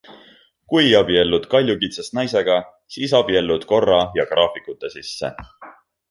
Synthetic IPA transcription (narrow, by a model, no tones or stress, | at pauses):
kujɑb̥ie̞lːud̪̥kɑlʲjukit̪sest̪nɑjse̞ɡ̥ɑ | siːsɑb̥ie̞lːud̪̥ko̞rːɑjɑkrɑːfikˑut̪ːˑesisːe̞̰